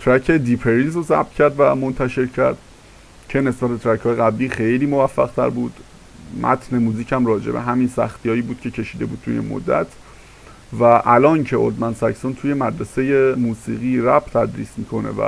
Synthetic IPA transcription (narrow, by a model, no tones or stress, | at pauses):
t̪ʰɾæcʰe̞d̪ipʰeɾizozæ̰b̚t̪cʰæɾd̪væmont̪ʰæʃe̞ɾcʰæɾd̪̥ | cʰe̞ne̞sbæt̪̚et̪ʰɾæcʰhɒːjeɣæbliːxejliːmo̞væfːæɣt̪ʰæ̰ɾbuːd̪̥ | mʔæ̰t̪ʰne̞muːziːcʰæmrɒːd͡ʒe̞̰bḛɦæminsæxt̪ʰijɒːjiːbuːd̪̚cʰe̞cʰe̞ʃiːd̪e̞buːd̪̚t̪ʰujḛmo̰d̪ːæ̰t̪ʰ | væʔælɒːncʰe̞ʔo̰t̪mænsæcsont̪ʰuːje̞mæd̪ɾese̞je̞muːsḭːɣiːɾæbt̪ʰæd̪ɾḭːsmiːkʰo̞ne̞̰væ̰